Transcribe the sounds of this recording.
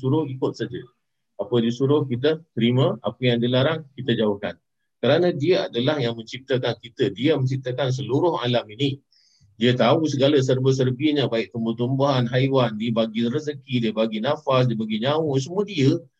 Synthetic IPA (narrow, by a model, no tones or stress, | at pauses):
suɾʊhikʊt̪̚sad͡ʒə | apədisuɾʊhkit̪ət̪əɾimə̃a̰pəjaŋdiəlaɾaŋkit̪əd͡ʒauhkan | kəɾanə̃diəadalahjaŋmə̃ɲt͡ʃip̚t̪əkankit̪ədiəməɲt͡ʃip̚t̪əkans̬əluɾʊha̰lamini | diət̪ausəɡaləs̬ərbəs̬ərbiəɲə̃baɪʔ̚t̪əmbət̪umbaɦanɦajwandiəbaɡirəzəkidiəbaɡinafas̬diəbaɡiɲawos̬əmuədiə